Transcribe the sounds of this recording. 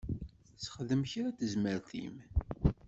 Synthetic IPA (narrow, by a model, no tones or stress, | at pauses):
θsə̥χðəmçɾæθəzməɾθḭm